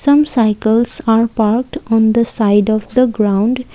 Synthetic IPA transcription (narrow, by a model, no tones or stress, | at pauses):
sʌ̃msaɪkəlsaːɾpaːɾk̚ʈɔ̃nd̪əsaɪɖɔʋd̪əɡɾãʊ̃ɳɖ